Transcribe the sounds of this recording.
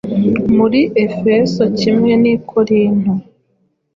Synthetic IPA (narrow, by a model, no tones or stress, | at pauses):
muɾiʔe̞fe̞so̞cimŋe̞nikʰoɾiːn̥o